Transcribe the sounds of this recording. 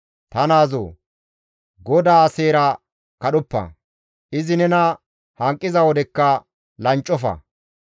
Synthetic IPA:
t̪ɐnaːzo̰ː | ɡɔd̪aːseːɾɐ | kɐɗʊpːɐ̰ | ʔɪzɪnɛnɐ | hɐŋkʼːɪzɐwɔd̪ɛkːɐ | lɐnt͡ʃʼːɔfɐ̰

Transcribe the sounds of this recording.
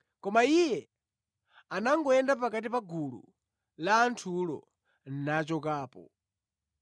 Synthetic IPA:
kɔmaijɛ | anaŋɡɔɛndap̬akat̬ipaɡulṵ | laːntʰulɔ̰ | n̩nat͡ʃɔkaːpɔ̰

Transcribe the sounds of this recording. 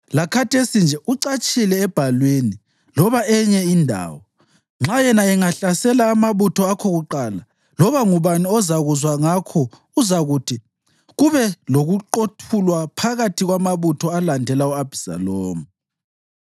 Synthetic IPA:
lakʰatʰesind͡ʒʱɛʔuǀat͡ʃʼilɛːb̥ʱalweni | lɔβaɛɲɛindʱa̰ːwɔ | ŋ͡ǁajɛnaɛŋaɬasɛlaːmaβutʰɔakʰɔɣuǃaːla | lɔβaŋuβaniɔzaɣuzwaŋakʰɔ | uzaɣutʰi | ɣuβɛloɣuǃotʰulwapʰaɣatʰiɣwamaβutʰɔalandʱɛlauab̥ʱisa̰lɔːmu

